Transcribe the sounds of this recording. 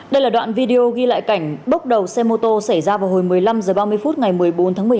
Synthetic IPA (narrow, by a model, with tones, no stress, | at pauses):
ɗə˧jlaː˨˩ɗwa̰ː˧˨nvi˧ɗe˧ʔo˧ɣi˧la̰ː˧˨jka˧˩jŋ̟ɓə˦˥k͡p̚ɗə˨˩wsɛ˧mo˧t̪o˧sa˧˩jzaː˧vaː˨˩who˨˩jmɨ˨˩əjla˧mzəː˨˩ɓaː˧mɨ˧əjfu˦˥t̚ŋa˨˩jmɨ˨˩əjɓo˨˦nt̪ʰaː˨˦m˨˩˨